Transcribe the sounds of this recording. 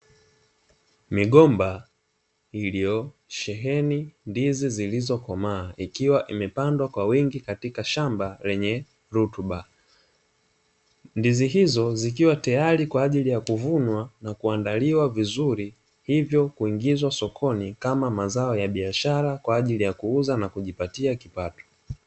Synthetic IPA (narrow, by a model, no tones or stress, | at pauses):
miɠɔmba | iliɔʃɛɦɛnindizizilizɔkɔmaːʔikiwaʔimɛpandwakwawiŋɡikatikaʃambalɛɲɛ | ɾutuɓa | ndiziɦizɔzik̬iwatajaɾikwaːʄilijakuvunwanakuandaliwavizuɾi | hivjɔkuiŋɡizwasɔkʰɔnikamamazaɔjaɓiaʃaɾakwaːʄilijakuuzanakuʄipatiakipatɔ̥